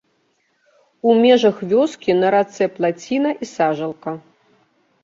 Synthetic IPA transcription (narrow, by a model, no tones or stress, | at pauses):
umʲɛʐɐxvʲɔskʲinɐɾat̪sɛplˠat͡sʲinɐʔisaʐɐlˠkɐ